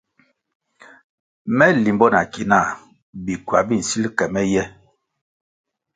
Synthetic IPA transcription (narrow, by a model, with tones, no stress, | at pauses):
mɛ˦li˨mbɔ˦na˨ki˨na˦˨ | bi˨kɥa˨bi˦n̩˨si˦lkɛ˨mɛ˦jɛ˦